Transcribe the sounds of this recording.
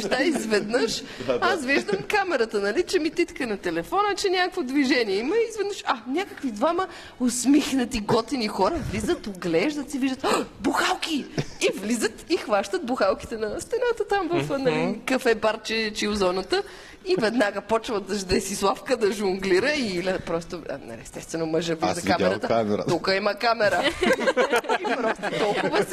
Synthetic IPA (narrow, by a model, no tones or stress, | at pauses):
ʃd̪aizvɛd̪nəʃasviʒd̪əmkamɛɾət̪ənɐlit͡ʃɛmit̪it̪kənɐt̪ɛlɛfɔnət͡ʃɛnʲakəkvod̪viʒɛniɛiməizvɛd̪nəʃanʲakəkvid̪vamə | osmixnət̪iɡɔt̪inixɔɾəvlizət̪oɡlɛʒd̪ət̪siviʒd̪ət̪buxalˠk̟iivlizət̪ixvaʃt̪ət̪̚buxalˠki̥t̪ɛnɐst̪ɛnat̪ət̪amvəfnɐlikɐfɛbaɾt͡ʃɛt͡ʃiʊzɔnət̪ə | ivɛd̪naɡəpɔt͡ʃvəd̪ɐʒd̪ɛsislˠafkəd̪ɐʒʊŋɡliɾəilʲɐpɾɔst̪o̰nɐ̰lḭɛst̪ɛst̪vɛnoməʒəvlizɐkamɛɾət̪əɾt̪ukəiməkamɛɾə | pɾɔst̪ʊt̪ɔlˠkʊvəs